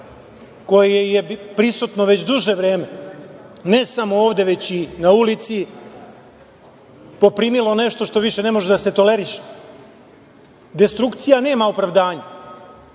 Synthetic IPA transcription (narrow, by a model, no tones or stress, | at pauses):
ko̞jejejepɾisut̪noʋe̞t͡ɕd̪uʒeʋɾe̞ːme | ne̞samooːʋd̪e̞ʋe̞t͡ɕinaulit̪si | po̞pɾiːmilˠo̞neʃt̪o̞ʃt̪o̞ʋiʃene̞mo̞ʒed̪ase̞t̪o̞leɾiʃe̥ | d̪e̞st̪ɾukt̪sijane̞ːmaopɾaʋd̪aːɲa